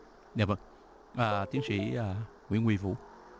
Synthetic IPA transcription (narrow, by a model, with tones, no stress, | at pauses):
ɲa˨˩və˧˩ŋ | ʔaː˨˩t̪i˨˦ənsḭ˧˥aː˨˩ | ŋwḭ˧˥ŋwi˧˩vṵ˧˥˦